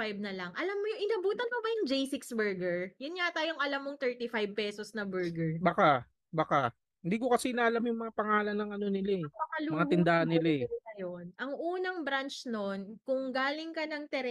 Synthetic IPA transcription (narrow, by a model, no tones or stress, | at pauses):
fajb̚nɐlɐŋʔɐlamːojʔɪnɐbuːt̪ɐnmobɐjʊŋd͡ʒejsɪksbɛɹɡɛɹjʊnŋat̪aːjoŋʔɐlamːoŋt̪ɛɹt̪ifajb̚pɛsosnɐbɛɹɡɛɹbaka | baka | hɪnd̪iːkokɐsɛnaʔɐlamjʊŋmɐŋapɐŋaːlɐnːɐŋɐno̞nɪlaɛbɐkɐlumɐŋat̪ɪnd̪aːhɐnːɪlaɛɐjonʔɐŋʔuːnɐŋbɾant͡ʃno̞nkʊŋɡaːlɪŋkɐnɐŋt̪ɛɾ